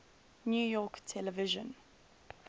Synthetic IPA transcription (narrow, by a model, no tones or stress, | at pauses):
njuːjɔːktʰɛlɛvɪʒə̃n